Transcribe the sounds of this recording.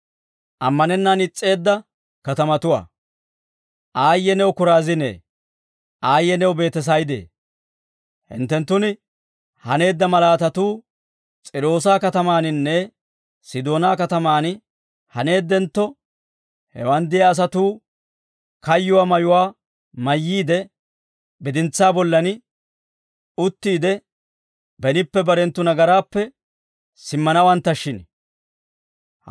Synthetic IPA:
ʔɐmːɐnɛnːaːnɪt͡sʼːe̞ːd̪ːɐ | kɐt̪ɐmɐt̪ʊwa̰ː | ʔaːjːɛnɛwʊkʊɾaːzɪnḛː | ʔaːjːɛnɛwbe̞ːt̪ːɛs̬ɐjd̪ḛː | hɪ̰nt̪ːɛnt̪ːʊnɪ | hɐne̞ːd̪ːɐmɐlaːt̪ɐt̪uː | t͡sʼɪɾo̞ːsaːkɐt̪ɐmaːnɪnːɛ | sɪd̪o̞ːnaːkɐt̪ɐmaːn | hɐne̞ːd̪ːɛnt̪ːɔ | hɛ̰wɐnd̪ɪjɐːs̬ɐt̪uː | kɐjːʊwaːmɐjʊwaː | mɐjːiːd̪ɛ | bɪd̪ɪnt͡sːaːbɔlːɐnɪ | ʊt̪ːiːd̪ɛ | bɛnɪpːɛbɐɾɛnt̪ːʊnɐɡɐɾaːpːɛ | sɪmːɐnɐwɐnt̪ːɐʃːɪn

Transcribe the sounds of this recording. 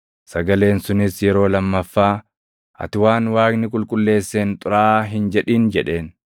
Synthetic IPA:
sɐɡɐle̞ːnsʊnɪsjɛɾo̞ːlɐmːɐfːaː | ʔɐ̰t̪ɪwaːnwaːknɪkʼʊlkʼʊlːe̞ːsːeːnt̪ʼʊɾaːɦɪnd͡ʒɛᶑiːnd͡ʒɛᶑe̞ːn

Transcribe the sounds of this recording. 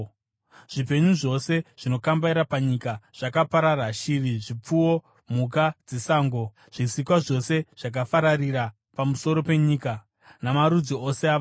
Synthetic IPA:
ʐ̥ip̬e̞ɲuʐo̞se̞ʐ̥ino̞kambaiɾapaɲikaʐ̥akapaɾaraʃiriʐip͡fuo̞ | muk̬ad͡zesaːŋɡo̞ | ʐ̥isikwaʐo̞se̞ʐ̥ak̬afaɾariɾa | pamuso̞ɾo̞pe̞ɲiːka | namaɾud͡ziosea

